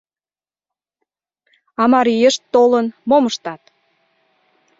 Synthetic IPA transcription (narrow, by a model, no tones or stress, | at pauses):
ɑmɑɾijəʃt̪ːolənmoməʃt̪ɑt̪̚